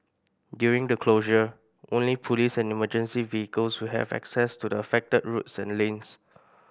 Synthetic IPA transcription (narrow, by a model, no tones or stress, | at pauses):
djuɹĩŋdəkʰloʒə | ʔõnlipʰɔlisɛ̃niməd͡ʒə̃nsiviikəlswiɦɛ̰vɛ̰ksɛstudəəfɛk̚təd̚ɹutsɛ̃nlẽns